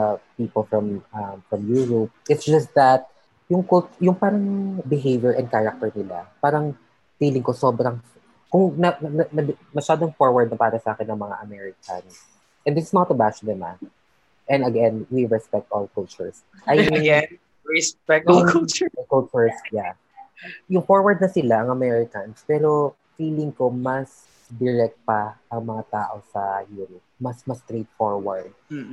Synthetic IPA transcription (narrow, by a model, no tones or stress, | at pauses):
piːpɔlfɹɐmɐmfɹɐmjuɹop̚ʔɪt̪sd͡ʒɐst̪̚ðɐt̪̚ | jʊŋkʊltjʊŋpaːɾɐŋbɪɦejvjɛɹʔɛ̃nd̪̚kaɹɐk̚t̪ɛɹnɪla̰paːɾɐŋ | t̪iːlɪŋkosobɾɐŋ | kʊŋnɐnɐɐ | mɐʃaːd̪oŋfɔɹwɐɹd̪̚nɐpaːɾɐsɐʔaːkɛnːɐŋmɐŋa̰ʔɐmɛɹɪkʰɐ̰ns | ʔɛnd̪ɪsɪ̥snɔt̪ɐbasnɛma̰t | ʔɛnɐɡɛnwiɹɛspɛk̚t̪ʔɔlkʊlt͡ʃʊɹs | ʔɐjɛn | ɹɛspɛk̚tkʊlt͡ʃkɔlt͡ʃʊɹsja | jʊŋfoɹwɐɹd̪nɐsɪlaʔɐŋɐmɛɹɪkɐnspɛːɾo̞ | fiːlɪŋkomɐs | d̪ɪɹɛk̚t̪̚pɐʔɐŋmɐŋat̪aːʔosɐjuːɾɔp̚mɐsmɐst̪ɾejt̪̚foɹwɐɹd̪̚